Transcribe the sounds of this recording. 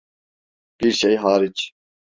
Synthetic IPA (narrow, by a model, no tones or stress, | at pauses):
b̥iɾʃɛjɦɑːɾit͡ʃ